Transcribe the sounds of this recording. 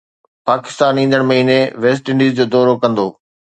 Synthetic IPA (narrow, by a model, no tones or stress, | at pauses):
paːkɪ̥st̪aːnĩːn̆d̪əɽ̃mɐɦiːneʋeːs̬ʈɪ̃ɳɖiːzd͡ʑoːd̪ɔːɾokɐ̃nd̪oː